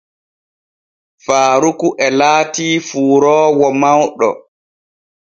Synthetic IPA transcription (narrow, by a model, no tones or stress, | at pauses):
faːɾukuʔɛlaːtiːfuːɾɔːwɔmawɗɔ̰